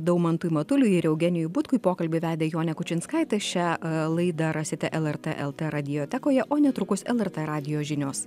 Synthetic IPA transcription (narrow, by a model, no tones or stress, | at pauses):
d̪ɐʊmɐnt̪uːjmɐt̪ʊlʲʊɪɾʲɛʊɡʲɛnʲɪjʊbʊt̪kʊipoːkɐlʲbʲɪʋʲæːd̪ʲeːjoːnʲɛkʊt͡ʃʲɪnskɐɪt̪ɐʃʲælˠɐɪd̪ɐɾɐsʲɪt̪ʲɛʔɛlˠɛɾt̪ɛʔɛlˠt̪ɛɾɐd̪ʲɪjoːt̪ʲɛkoːjɛʔoːnʲɛt̪ɾʊkʊsɛlˠɛɾt̪ɛɾɑːd̪ʲɪjoːʒʲɪnʲoːs